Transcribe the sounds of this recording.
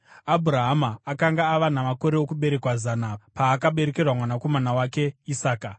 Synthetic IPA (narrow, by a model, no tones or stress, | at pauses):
abʱuɾaɦamaːkaŋɡaːʋanamako̞ɾe̞okuɓe̞ɾe̞kwazanapaːkaɓe̞ɾekerwamwanako̞manawake̞isaːka